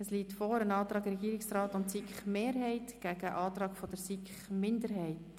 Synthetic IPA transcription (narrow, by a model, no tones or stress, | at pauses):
əsliːtfɔːɾənɑːt̪ɾɑːɡɾɛɡiːɾɪksrɑːtʊntsikχmeːɾɦɛɪtɡ̥æɡəʔɑːtrɑːkfɔd̥əɾsikχmɪndəɾɦɛɪt